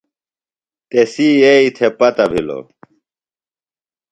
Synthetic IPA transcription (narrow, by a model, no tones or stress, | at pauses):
t̪esieit̪ʰepɐt̪ɐbʱilo̰